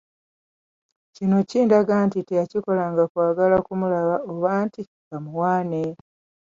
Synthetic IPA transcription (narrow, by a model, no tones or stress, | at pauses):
cino̞ciːndaɡaːntite̞jaciko̞laŋɡakwaːɡalakumulaβaoβaːnti | ɡamuwaːne